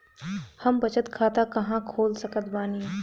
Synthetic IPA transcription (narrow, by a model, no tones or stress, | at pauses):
hɐmbɐt͡ʃət̪kʰaːt̪akɐɦãkʰoːlsɐkət̪baːni